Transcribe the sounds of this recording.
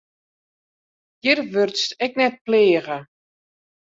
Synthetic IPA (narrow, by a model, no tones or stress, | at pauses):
jɪrʋørtstɛknɛt̚pleːəɣə